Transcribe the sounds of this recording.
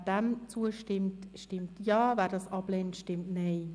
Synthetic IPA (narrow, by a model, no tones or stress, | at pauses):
dɛmt͡suəʃtɪmtʃtɪmtjɑːvɛːdɑsɑpleːntʃtɪmtneː